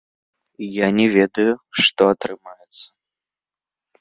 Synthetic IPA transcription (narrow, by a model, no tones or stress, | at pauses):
janʲɛvʲed̪ɐjuʂt̪ɔat̪ɾɨmajɛt̪sɐ̥